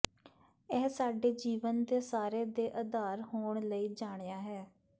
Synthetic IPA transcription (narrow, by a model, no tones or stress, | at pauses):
ɛːsaːɖeːd͡ʒiːʋənd̪eːsaːɾeːd̪eːʔəd̪aːɾɦoːɳləiːd͡ʒaːɽ̃eːaːɦɛː